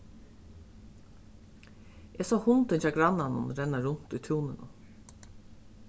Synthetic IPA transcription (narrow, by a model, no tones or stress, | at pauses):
ʔeːsɔːhʊnt̪ɪnfaːɡɾanːanʊ̰nɾɛnːaɾʊn̥t̪ʊjt̪ʰuːnɪnʊ̰